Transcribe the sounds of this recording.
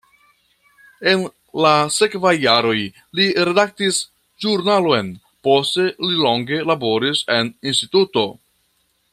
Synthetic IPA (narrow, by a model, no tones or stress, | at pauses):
e̞n | lase̞kvajːaɾo̞j | liɾe̞dak̚tis | ʒuɾnaloen | po̞ste̞lilo̞ŋɡe̞labo̞ɾise̞ninstituto̞